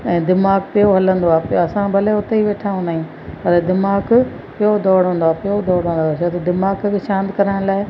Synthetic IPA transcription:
ɛ̃ːd̪ɪmaːɡpɪoɦɐlə̃nd̪oaːpɐsãbʱɐleʊt̪eiʋeːʈʰaũnaːijũː | pɐɾed̪ɪmaːɡ | pɪjod̪ɔːɽ̤ɦõːnd̪oaːpɪjod̪ɔːɽɦõːnd̪oaːt͡ʃʰaːt̪ɐd̪ɪmaːɡkʃãːnd̪kɐɾəɽ̃laːɪ

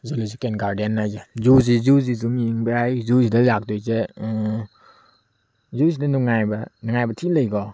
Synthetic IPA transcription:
zuluzikenɡaɾdanːazezuzizuzizumiŋbɾajzuzidalak̚dojze | zuzidanuŋajbanɯŋajbɐtʰiləjɡɔ

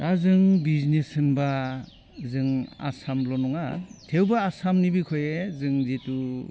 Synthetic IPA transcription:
ɾazɯŋbiznesɯnba | zɯŋa̰samlɔnɔŋatʰewbaːsamnibikʰɔjezɯŋzitu

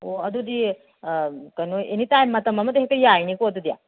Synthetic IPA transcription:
oɐd̪ud̪i | kɐnuenit̪aːjmɐt̪ɐmɐmɐt̪ɦekɐjainikoɐd̪ud̪ija̰

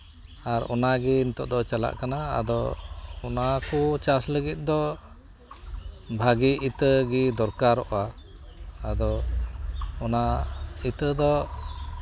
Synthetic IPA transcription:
aɾɔ̰naɡiːnt̪ɔʔd̪ɔt͡ʃala̰ʔkanaa̰d̪ɔɔnakut͡ʃasləɡit̪̚ˀd̪ɔ | bʱaɡiːt̪əɡid̪ɔɾkaɾɔʔaː | d̪ɔ | ɔnait̪əd̪ɔ

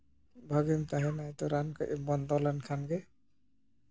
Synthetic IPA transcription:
bʱaɡemt̪aɦɛnajt̪ɔɾankbɔnd̪ɔlankʰanɡe

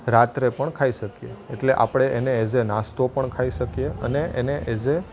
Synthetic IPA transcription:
ɾat̪ɾepəɳkʰaiʃəkjḛeʈleʔa̰pɽ̃eʔeneed͡ʒenast̪opəɳkʰaiʃəkijeəneʔeneʔed͡ʒe

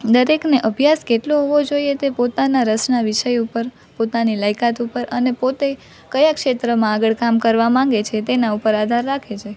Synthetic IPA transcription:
d̪əɾekneʔəbʱjaskeʈloɦoʋod͡ʒoiet̪epot̪anaɾəsnaʋiʃəjupəɾ | pot̪aniləjkat̪upəɾənepot̪e | kəjakʃet̪ɾəmãaɡəɭkamkəɾʋamãŋɡet͡ʃʰet̪enaupəɾad̪ʱaɾːakʰet͡ʃʰe

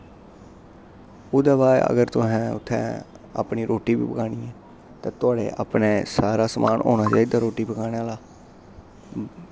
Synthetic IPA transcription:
ʊːd̪aːbaːə̰ɡəɾt̪ʊɦɛ̃ːʊ̰t̪ʰːɛ̰̃ː | a̰ːpniːɾʔoːʈiːbḭːpəkaːɽiːɛː | t̪ãːt̪ʊaːɽḛːʔa̰ːpneːsaːɾaːsəmʔaːnʔo̰ːnaːt͡ʃaːiːd̪aːɾoːʈiːbəkaːñaːlaː

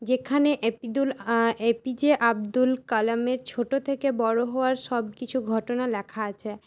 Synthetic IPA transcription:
d͡ʑekʰaneʔepid̪ulepid͡ʑeʔab̚d̪ulkalameɾt͡ɕʰoʈot̪ʰekebɔɽoɦooaɾʃɔb̚kit͡ɕʰuɡʱɔʈonalɛkʰaat͡ɕʰe

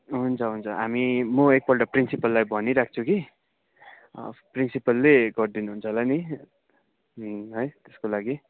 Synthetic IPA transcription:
ɦunt͡sʰʌɦunt͡sʰʌɦamimʌek̚pʌlʈʌprinsipʌlːajbʱʌniɾak̚ʰt͡sʰuki | prinsipʌlːeɡʌrd̪inuɦunt͡sʰʌlajni | ɦʌjt̪eskolaɡi

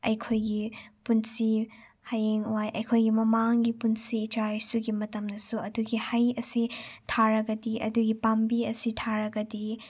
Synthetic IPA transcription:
ɐjkʰojɡipunsi | hajeŋwajʔɐjkʰojɡimɐmaŋɡipunsitajsuɡimɐtɐmdɐsuɐduɡihɐjɐsitʰaɾɐɡɐdiʔɐ̰duɡipambiɐsitʰaɾɐɡɐdi

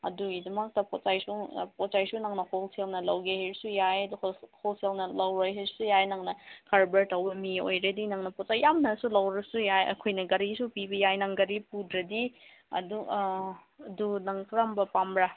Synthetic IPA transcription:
ɐ̰duidɐmɐk̚tɐpɔt̚t͡ʃajsuŋpɔt̚t͡ʃajsunɐŋnɐholselnɐlɐwɡeheɾsujajduholselnɐlɐwɾajɦeɾsujajnɐŋnɐkʰaɾbɐɾtɐwbɐmio̰jɾedinɐŋnɐpɔt̚t͡ʃajːamnɐsulɐwɾɐsujajɐ̰kʰojnɐɡɐɾisupibɐjajnɐŋɡɐɾipudɾɐdi | ɐ̰du | ɐdunɐŋtɾambɐpamɾa

